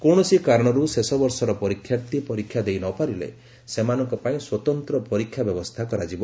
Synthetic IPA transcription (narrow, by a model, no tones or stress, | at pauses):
koɽ̃ɔsikaɾɔɽ̃ɔɾusesɔbɔɾsɔɾɔpɔɾikʰːjaɾt̪ipɔɾikʰjad̪ejnɔpaɾilḛ | semanɔŋkɔpaĩswɔt̪ɔnt̪ɾɔpɔɾikʰːjabjɔbɔst̪ʰakɔɾad͡ʒibɔ